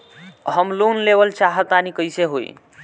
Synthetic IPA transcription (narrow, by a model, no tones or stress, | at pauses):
ɦəmlonlebəlt͡ʃaɦət̪anikəjseɦo̰j̰